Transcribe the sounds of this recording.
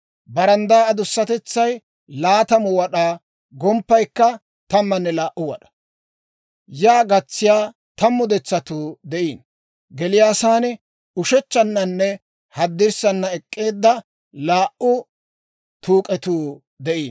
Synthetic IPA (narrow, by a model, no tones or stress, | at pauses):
bɐɾɐnd̪aːɐd̪ʊsːɐt̪ɛt͡sːɐj | laːt̪ɐmʊwɐɗaː | ɡɔmpːɐjkːɐ | t̪ɐmːɐnːɛlaːʔʊwɐ̰ɗɐ̥ | jaːɡɐt͡sːɪjaː | t̪ɐmːʊd̪ɛt͡sːɐt̪uːd̪ɛʔiːn | ɡɛlɪjaːsaːnɪ | ʊʃɛt͡ʃːɐnːɐnːɛ | hɐd̪ːɪɾsɐnːɐɛkʼːe̞ːd̪ːɐ | laːʔʊ | t̪uːkʼɛt̪uː | d̪ɛʔiːn